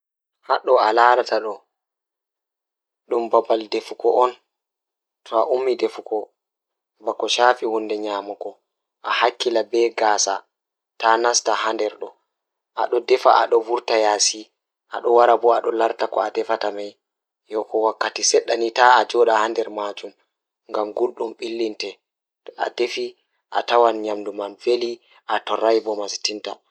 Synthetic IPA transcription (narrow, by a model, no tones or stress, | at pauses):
haɗɔalaɾataɗɔ | ɗumbabaldefukɔʔɔn | tʰɔaʔumːidefukɔ | bakɔʃaːfihundɛɲaːmakɔ | ʔahakːilabɛɡaːsa | tanastahandɛɾɗɔ | ʔa̰ɗɔdɛfa̰a̰ɗɔvuɾtajaːsi | ʔa̰ɗɔwaɾabɔaɗɔlaɾtakɔ̰adɛfatamaj | jɔkɔwakːatisɛɗːanitaad͡ʒɔɗahandɛɾmad͡ʒum | ŋɡamɡulɗumɓilːintɛ | a̰defi | ʔa̰tawanɲamdumanfeli | ʔatɔrːajbɔmasi̥tinta